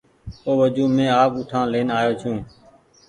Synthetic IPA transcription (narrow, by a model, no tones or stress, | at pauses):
oːʋəd͡ʒuːmẽːaːkʊʈʰãːleːnaːjoːt͡ʃʰũː